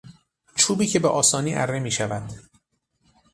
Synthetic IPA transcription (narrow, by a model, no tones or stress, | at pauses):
t͡ʃʰuːbiːcʰe̞beʔɒːsɒːniːʔæ̰ɾːemiːʃævæd̪̥